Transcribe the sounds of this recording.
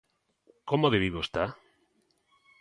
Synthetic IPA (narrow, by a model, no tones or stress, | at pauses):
komoðeβiβost̪a